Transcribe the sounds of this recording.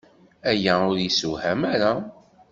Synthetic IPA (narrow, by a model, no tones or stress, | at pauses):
æjæʊɾjəsuhæmæɾa